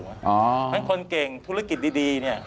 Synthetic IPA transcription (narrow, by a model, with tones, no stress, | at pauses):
ʔɔː˨˧˦a˧˥˩kʰo˧nke˨˩ŋt̪ʰu˦˥ɾa˦˧ki˨˩t̪̚diː˧diː˧ni˥˩ɐ